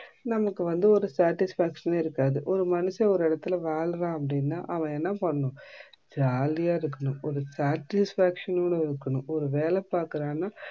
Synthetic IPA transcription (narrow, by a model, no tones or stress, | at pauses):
nɐmɐkːɯʋɐnd̪ɯɔɾɯsaːʈɪsfaːkʂɐneːɪɾɯkːaːðɯʔɔɾɯmɐnɯsɐɔɾɯɪɽɐt̪ːɪlɐʋaːɭɾãːɐpːɐɽɪnːa̰ːʔɐʋɐ̃ɛnːapɐɳːʊ̃ | d͡ʒaːlɪjaːɪɾɯkːɐɳʊ̃ʔɔɾɯsaːʈɪsfaːkʂɐnuːɽɐɪɾɯkːɐɳʊ̃ʔɔɾɯʋeːlɛpaːɾkɯɾãːnːaː